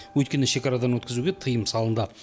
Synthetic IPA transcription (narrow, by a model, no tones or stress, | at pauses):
wɵjt̪kʲe̞nɪʃe̞kɑɾɑd̪ɑnwɵt̪kʲɪzuɡʲet̪ʰəjəmsɑlˠənd̪ə